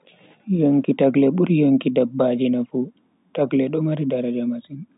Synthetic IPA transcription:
joŋkitaklɛɓuɾjoŋkidabːad͡ʒinafu | taɡlɛɗɔmaɾidaɾad͡ʒamasin

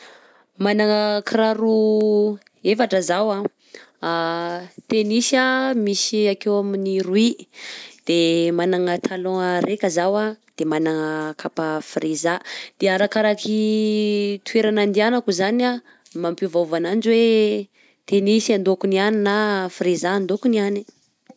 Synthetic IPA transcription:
manaŋəkʰɾaɾu | efaʈ͡ʂəzawa | at̪enisamisiakewaminiɾui | d̪̥emanaŋət̪ʰalõəɾekəzawad̪̥emanaŋəkʰapafrizad̪̥eaɾakaɾaki | t̪ʰweɾanand̪ianakuzana | mampuvavanand͡ʒwe | t̪enisiand̪okunianinafrizaːnd̪okuniani

